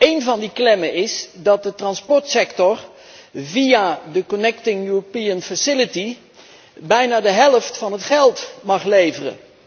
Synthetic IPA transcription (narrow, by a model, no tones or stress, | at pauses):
ejnvɑndiklɛməɪsdɑt̚dətrɑnspɔɹtsɛktɔr | vijadəkɔnɛktɪŋjuɹopiənfəsɪləti | bɛjnaːdəɦɛlˠəftfɑnɦətχɛlˠtmɑχlejvərə̰